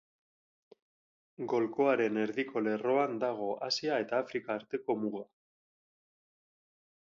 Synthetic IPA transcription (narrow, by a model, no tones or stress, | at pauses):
ɡo̞lko̞aɾe̞ne̞ɾðiko̞le̞ro̞and̪aɣ̞o̞ʔasiae̞t̪aːfɾikaːɾt̪e̞ko̞muɣa